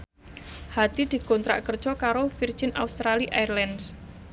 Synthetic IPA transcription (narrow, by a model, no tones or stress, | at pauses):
had̪̥id̪̥i̤kɔnt̪ɾa̰ʔkərd̥ʒ̥ɔkaɾofir̥ʒ̥ina̰ust̪ɾaliʔajrlɛns